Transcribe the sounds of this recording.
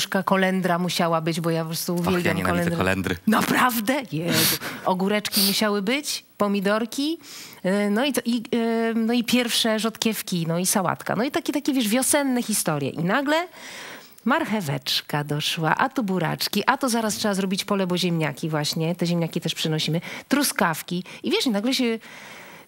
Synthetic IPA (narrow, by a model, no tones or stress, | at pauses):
ʂkakɔlɛnd̪ɾamuɕawabɘd͡ʑbɔjapɔpɾɔst̪uːvʲjɛlbʲjamkɔlɛnd̪ɾlɛ̰nd̪ɾnapɾavd̪ɛjɛɔɡuɾɛt͡ʂkʲimuɕawɘbɘt͡ɕpɔmʲid̪ɔɾkʲi | nɔit̪ɔʔinɔipʲjɛɾfʂɛʐɔt̪kʲɛfkʲinɔisawa̰t̪ka̰nɔit̪akʲɛt̪akʲɛvʲjɛʐvʲjɔsɛnːɛxʲist̪ɔɾʲjɛ̰ʔinaɡlɛ | maɾxɛvɛt͡ʂkad̪ɔʂwa̰ʔat̪ubuɾa̰t͡ʂkʲiʔat̪ɔzaɾastʂɛbazɾɔbʲit͡ɕpɔlɛbɔʑɛmɲa̰kʲivwaɕɲɛt̪ɛʑɛmɲakʲit̪ɛʂpʂɘnɔɕimɘt̪ɾuskafkʲiivʲjɛʂinaɡlɛɕɛ